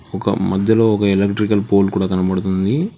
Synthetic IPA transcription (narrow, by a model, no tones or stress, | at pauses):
ɔkɐ̰mɐd̪ʱjɐlo̞ːɔkɐelɐkʈɾikɐlpoːlkuːɽaːkɐnɐpɐɽut̪und̪i